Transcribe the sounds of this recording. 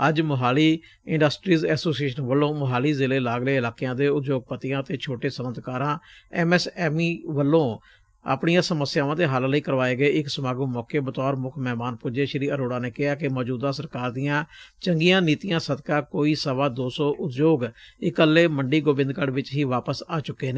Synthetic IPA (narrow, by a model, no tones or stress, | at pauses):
əd͡ʒmʊɦaːliː | ɪ̃ɳɖəsʈɾiːzɛːsoːsieːʃənʋəlːõːmʊɦaːliːzɪleːlaːɡleːɪlaːkejãːd̪eːʊt̪d͡ʒoːɡ̚pət̪ɪjãːt̪eːt͡ʃʰoːʈeːsəmənd̪kaːɾãːɛːmɛːsɛːmiːʋəlːõː | a̰ːpɳijãːsəməsjaːʋãːd̪eːɦalləiːkəɾʋaːeːɡəeːɪksəmaːɡumɔːkeːbət̪ɔːɾmʊkʰmɛːmaːnpʊd͡ʒeːʃɪɾiːəɾoːɽãːneːkɪɦaːkɪmɔːd͡ʒuːd̪ãːsəɾkaːɾd̪ɪjãːt͡ʃəŋɡijãːniːt̪ɪjãːsəd̪kãːkoːiːsəʋaːd̪oːsɔːʔʊt̪d͡ʒoːɡɪkəlːeːməɳɖiːɡoːbɪ̃nd̪kəɽʋɪt͡ʃɦiːʋaːpəsaːt͡ʃʊkːeːneː